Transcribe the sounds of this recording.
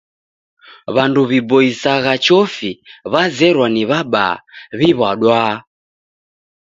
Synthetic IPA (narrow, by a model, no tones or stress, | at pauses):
βanduβibɔisaɣat͡ʃɔfiβazɛɾwaniβaɓa̰βiβwaɗwa